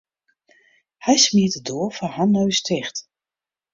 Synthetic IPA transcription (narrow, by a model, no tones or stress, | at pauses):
hɛjsmiətədoːfɔhanːoɥstʰɪxt